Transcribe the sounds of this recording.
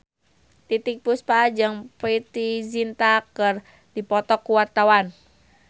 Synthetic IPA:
t̪it̪ik̚puspad͡ʒɨŋpɾit̪izint̪akər | dipɔt̪ɔkːuwat̪awan

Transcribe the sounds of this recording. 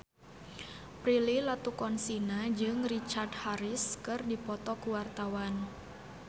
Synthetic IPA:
pɾililat̪ukɔnsinad͡ʒɨŋrit͡ʃardhaɾɪskɨrdipɔt̪ɔkuwart̪awan

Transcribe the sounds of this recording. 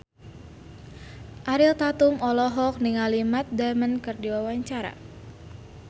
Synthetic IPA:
ʔaɾilt̪at̪umɔlɔɦɔk̚niŋalimat̪̚damənkɨrdiwawaɲt͡ʃaɾa̰

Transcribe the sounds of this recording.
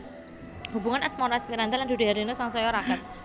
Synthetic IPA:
hubuŋanɛsmɔɾaɛsmiɾant̪aland̪udeaɾinosaŋsɔjɔɾakat̪̚

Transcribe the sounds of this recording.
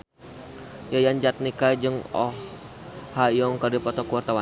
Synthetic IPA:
jajaɲd͡ʒat̪̚nikad͡ʒɨŋɔ̰h | hajɔŋkadipɔt̪ɔkuwart̪awa

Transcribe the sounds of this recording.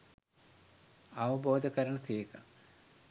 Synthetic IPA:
ɐʋɐboːd̪ʱɐkɐɾɐɳɐsiːkɐ

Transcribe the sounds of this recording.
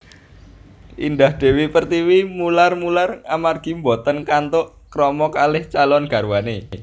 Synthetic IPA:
ʔḭndahd̪̥e̤wipərt̪iwimularmularamarɡ̥i̤mbɔt̪ənkant̪oʔ | kɾɔmɔkalɪht͡ʃalɔnɡ̥ä̤rwane

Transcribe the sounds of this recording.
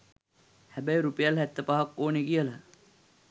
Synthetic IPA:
hæbæjɾupejalɦæt̪ːəpaɦɐkːoːnekijəlɐ

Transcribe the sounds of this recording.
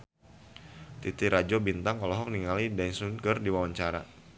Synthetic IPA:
t̪it̪iɾad͡ʒobint̪aŋɔlɔɦɔk̚niŋalidansunkərdiwawaɲt͡ʃaɾa

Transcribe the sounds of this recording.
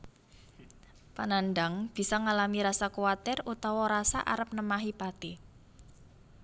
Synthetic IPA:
pananɖaŋb̥i̤sɔŋalamiɾasakuat̪ɛrut̪awɔɾasa̰ʔa̰ɾəp̚nəmaɦipat̪i

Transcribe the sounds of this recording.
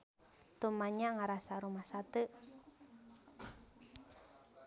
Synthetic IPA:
t̪umaɲaŋaɾasaɾumahsat̪ə

